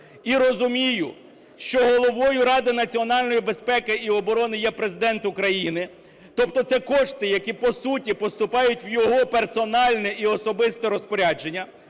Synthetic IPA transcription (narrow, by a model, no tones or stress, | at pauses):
iɾɔzʊmʲijʊ̰ | ʃt͡ʃɔɦɔlˠɔʋɔjʊɾɑd̪ɪnɐt͡sʲiɔnɑlʲnɔjibespɛkɪiɔbɔɾɔnɪjɛpɾezɪd̪ɛnt̪ʊkɾɐjinɪ | t̪ɔpt̪ɔt̪sɛkɔʃt̪ɪjɐkʲipɔsutʲipɔst̪ʊpɑjʊtʲwjɔɦɔpersɔnɑlʲnɛʔiɔsɔbɪst̪ɛɾɔspɔɾʲad͡ʒenʲːɐ